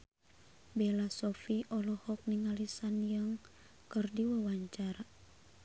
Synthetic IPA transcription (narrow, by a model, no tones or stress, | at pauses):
belasɔfiʔɔlɔhɔk̚niŋalisanjəŋ | kərdiwawaɲt͡ʃaɾa